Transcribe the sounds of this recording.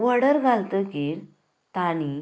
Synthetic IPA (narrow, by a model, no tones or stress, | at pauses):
ʋəɽəɾɡʱalt̪əkiːɾ | t̪ani